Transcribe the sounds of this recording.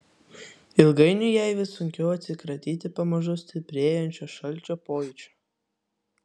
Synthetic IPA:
ɪlˠɡɐɪnʲʊjæɪʋʲɪsʊŋʲkʲɛʊɐt̪ʲsʲɪkɾɐt̪ʲiːt̪ʲɪpɐmɐʒʊsʲt̪ʲɪpʲɾʲeːjɛnʲt͡ʃʲoːʃɐlʲˑt͡ʃʲoːpoːjɛt͡ʃʲo̥

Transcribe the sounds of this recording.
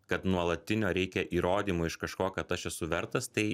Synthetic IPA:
kɐt̪nuɔlˠɐt̪ʲɪnʲoːɾʲɛɪkʲɛʔiːɾoːd̪ʲiːmʊɪʃkɐʃkoːkɐt̪ɐʃɛsʊʋʲɛɾt̪ɐst̪ɐɪ

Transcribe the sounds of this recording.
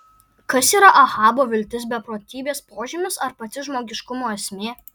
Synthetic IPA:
kɐsiːɾɐʔɐxɑːboːʋʲɪlʲt̪ʲɪs̬bʲɛpɾoːt̪ʲiːbʲeːspoːʒʲiːmʲʊsɐɾpɐt̪ʲɪʒmoːɡʲɪʃkʊmoːɛsʲmʲeː

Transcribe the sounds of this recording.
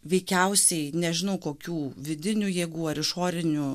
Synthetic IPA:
ʋʲɛɪkʲɛʊsʲɛɪnʲɛʒʲɪnɐʊkoːkʲuːʋʲɪd̪ʲɪnʲujeːɡuːɐɾɪʃoːɾʲɪnʲuː

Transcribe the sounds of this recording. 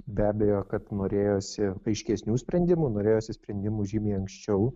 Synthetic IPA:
bʲæːbʲɛjoːkɐt̪noːɾʲeːjoːsʲɪɐɪʃʲkʲɛsʲnʲuːsʲpʲɾʲɛnʲd̪ʲɪmuːnoːɾʲeːjoːsʲɪsʲpʲɾʲɛnʲd̪ʲɪmuːʒʲiːmʲiːɐŋksʲt͡ʃʲɛʊ

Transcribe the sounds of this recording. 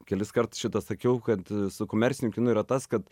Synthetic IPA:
kʲɛlʲɪskɐrt̪ʊ̥sʃʲɪt̪ɐsɐkʲɛʊkɐt̪sʊkoːmʲɛɾʲsʲɪnʲʊkʲɪnʊiːɾɐt̪ɐskɐt̪

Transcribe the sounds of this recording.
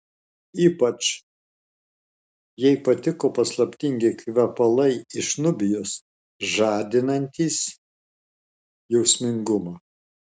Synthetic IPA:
iːpɐt͡ʃ | jɛɪpɐt̪ʲɪkoːpɐslˠɐpʲt̪ʲɪŋʲɡʲɪkʲʋʲɛpɐlˠɐɪɪʃnʊbʲɪjos | ʒɑːd̪ʲɪnɐnʲt̪ʲiːs | jɛʊsʲmʲɪŋɡʊmɑː

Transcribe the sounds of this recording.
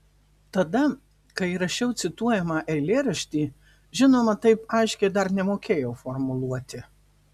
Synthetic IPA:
t̪ɐd̪ɐ | kɐɪɾɐʃʲɛʊt̪sʲɪt̪uɔjɛmɑʔɛɪlʲeːɾɐʃʲt̪ʲiː | ʒʲɪnoːmɐt̪ɐɪpɐɪʃʲkʲɛɪd̪ɐɾnʲɛmoːkʲeːjɛʊfɔɾmʊlˠuɔt̪ʲɪ

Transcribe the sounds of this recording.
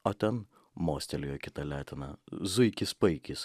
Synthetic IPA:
oːt̪ʲɛn | moːsʲt̪ʲɛlʲɪjoːkʲɪt̪ɐlʲæːt̪ʲɪnɐzʊɪkʲɪspɐɪkʲɪs

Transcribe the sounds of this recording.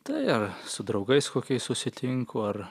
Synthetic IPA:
t̪ɐɪɐɾsʊd̪ɾɐʊɡɐɪskoːkʲɛɪssʊsʲɪt̪ʲɪŋkʊɐɾ

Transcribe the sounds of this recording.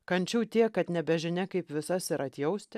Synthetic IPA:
kɐnʲt͡ʃʲuʊt̪ʲiɛkːɐt̪nʲɛbʲɛʒʲɪnʲɛkɐɪpʋʲɪsɐsɪɾɐt̪ʲjɛʊsʲt̪ʲɪ

